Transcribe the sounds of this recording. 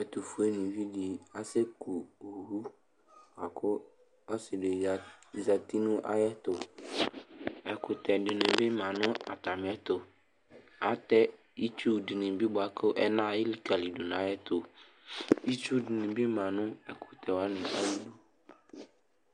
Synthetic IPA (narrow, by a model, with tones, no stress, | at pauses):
ɛ˨t̪u˨fu˨˦e˦nĩ˨vi˦di˨a˨sɪ˦ku˨u˨ɦu˦ | wa˨kʰʊ˦ | ɔ˦sɪ˨ɖɪ˨za˨t̪i˦nʊ̃˦ʔa̰˦jɛ˦t̪ʊ˨ | ɛ˨kʊ˨t̪ɛ˨ɖɪ˨nɪ̃˨bɪ˦mã˨nʊ̃˦a˨t̪a˨m˨˦ɛ˦t̪ʊ˨ | a˨t̪ɛ˦ | i˦tu˦bdɪ˨nɪ̃˨bi˦bʊ˨a˨kʊ˦ʔɛ˦nã˦˨jɪ˦li˦ka˨li˨du˨n˨a˦jɛ˦t̪ʊ˨ | ji˦t͡ʃu˦dɪ˨nɪ̃˨bɪ˦mã˨nʊ̃˦ɛ˨kʰʊ̥˨t̪ʰɛ˨wa˦nɪ̃˨ʔa˦li˦du˦